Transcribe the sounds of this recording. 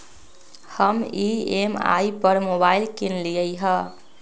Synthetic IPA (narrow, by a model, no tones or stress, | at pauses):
həmiema̰ipəɾmobailkinlijəjɦə